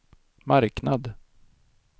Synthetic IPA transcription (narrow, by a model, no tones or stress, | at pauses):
maɾknad̪